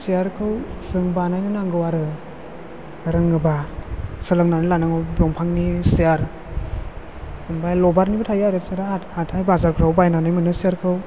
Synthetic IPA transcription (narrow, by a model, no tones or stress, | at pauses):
sijaɾkʰɯwz̥ɯŋbanajnɯnaŋɡɯwaɾɯ | ɾɯŋɯbasɯlɯŋnanɯlanaŋɯwbɔŋpʰaŋnisijaɾ | ɯmbajlɔbaɾnibɯtʰajaɾɯseɾhatʰajbazaɾkʰɾawbajnanajmɯnɯsijaɾkʰɯw